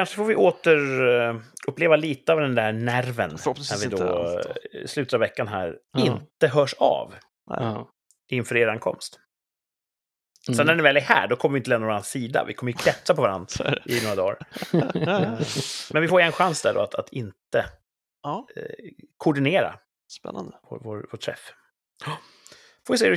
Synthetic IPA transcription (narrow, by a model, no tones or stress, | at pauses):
kʰanʂəfoːvɪʔoːt̪əɾ | ʔɵpːleːvaliːt̪əavd̪ɛnd̪ænæɾvənnæɾvɪd̪ɔ | slʉ̟t̪ət̪avɛkːanɦæ̰ːɾɪnt̪əɦœːʂɑ̰v | ʔɪnfœːɾeːɾankʰɔ̰mst̪ | sɔnːæɛnɪvɛlæhæ̰ːɖɔkʰɔməɾɪʏɪnt̪əlɛːnavɾanasiːd̪a̰vɪ̰kʰɔməɾjʏkʰɾɛt̪sapʰɔvaɾand̪ɾʔɪnoːɾad̪ɑːɾ | mɛnvɪfoːjɛnɧansd̪æɖɔ̰at̪ʰat̪ʰɪnt̪ə | kʰʊʊɖɪneːɾa̰ | spɛ̰nːa̰nd̪əv̰voːvoːʈʰːɾɛ̰f | foːjɪsɛɾ